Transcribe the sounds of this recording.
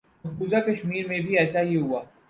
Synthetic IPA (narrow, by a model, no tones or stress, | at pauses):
ɐkbuzakɐʃmiːɾmẽbʱiɛːsaɦiɦʊaː